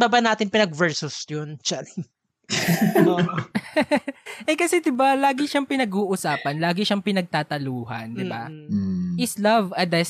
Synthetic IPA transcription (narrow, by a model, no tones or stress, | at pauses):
babɐnaːt̪ɪnpɪnɐɡ̚vɛɹsʊsjont͡ʃɐɾɪŋ | o | ʔɛkɐsɛd̪ɪbalaːɡɪʃɐŋpɪnɐɡuːʔʊsaːpɐnlaːɡɪʃɐŋpɪnɐɡ̚t̪aːt̪ɐluːhɐ̰nd̪ɪba | ʔɪslɐvʔɐd̪ɛs